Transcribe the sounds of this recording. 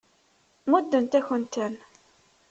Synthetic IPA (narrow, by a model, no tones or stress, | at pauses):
mud̪ːənt̪æçənt̪æn